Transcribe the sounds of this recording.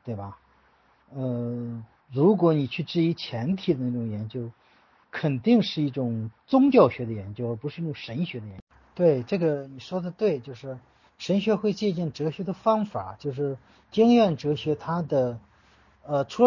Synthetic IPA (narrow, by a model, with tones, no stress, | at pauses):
t̪we˥˩ɪbɐ˩ | ə˧ | ɻu˧˥kwɔ˧˥ni˨˩t͡ɕʰy˥˧ʈ͡ʂɻ̩˥˩i˧˥t͡ɕʰjɛ˧˥nt̪ʰi˨˩d̪ə˦na˥˩ʈ͡ʂʊ˨˩ŋjɛ˧˥nt͡ɕjo˥ʊ | kʰə˨˩nt̪i˥˧ŋʂɻ̩˥˧i˥˩ʈ͡ʂʊ˨˩ŋt͡sʊ˥ŋt͡ɕjɑ˥˩ʊɕɥɛ˧˥d̪ə˧jɛ˧˥nt͡ɕjo˥ʊə˞˧˥˩pu˧˥ʂɻ̩˥˧i˥˩ʈ͡ʂʊ˨˩ŋʂə˧˥nɕɥɛ˧˥d̪ə˧jɛ˧˥t̪we˥˩ɪʈ͡ʂɤ˥˩ɡə˩ni˨˩ʂwɔ˥d̪ə˨t̪we˥˧ɪt͡ɕjo˥˧ʊʂɻ̩˥˩ | ʂə˧˥nɕɥɛ˧˥xwe˥˧ɪt͡ɕjɛ˥˧t͡ɕjɛ˥˩nʈ͡ʂɤ˧˥ɕɥɛ˧˥d̪ə˧˨fɑ˥ŋfa˨˩˦t͡ɕjo˥˧ʊʂɻ̩˥˩ | t͡ɕi˥ŋɥɛ˥˩nʈ͡ʂɤ˧˥ɕɥɛ˧˥t̪ʰa˥d̪ə˨ | ə˧ʈ͡ʂʰu˧˥